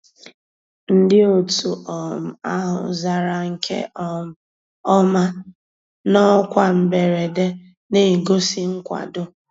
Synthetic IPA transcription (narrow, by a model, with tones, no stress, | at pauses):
n̩˦dɪ˦o˨tu˨ʔɔ˨m̩˨a˦ɦʊ̰˨za˨ɾa˦ŋ̩˨kʰḛ˦ | ɔ˦ma˦ | nɔ˦kʷa˨m̩˨be˨ɾe˨de˦ | ne˦˨ɡo˦si˦ŋ̩˦kʷa̰˨dʊ˦